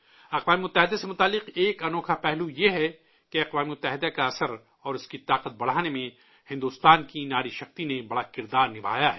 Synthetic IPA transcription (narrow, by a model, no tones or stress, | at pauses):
ɐqʋaːmemʊt̪ːəɦɪd̪asemʊt̪aːlːɪqeːkɐnɔːkʰapɛɦlujeɦɛ | keɐqʋaːmemʊt̪ːəɦɪd̪akaɐsəɾ | ɔːɾʊskit̪aːqət̪̚bɐɽ̤aːnemẽ | hɪ̃nd̪ust̪aːnkinaːɾiʃɐxt̪inebɐɽakɪɾd̪aːɾnɪbʱa̰ːjaɦɛ